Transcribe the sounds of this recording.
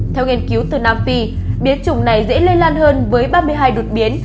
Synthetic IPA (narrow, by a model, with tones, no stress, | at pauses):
t̪ʰɛ˧wŋi˧ənki˨˦wt̪ɨ˨˩naː˧mfi˧ɓi˨˦ənt͡ɕʊ˨˧˩ŋ͡mna˨˩jzɛ̰˧˥le˧nlaː˧nhəː˧nvəː˨˦jɓaː˧mɨ˧əjɦaː˧jɗo˨˩t̚ɓi˨˦ən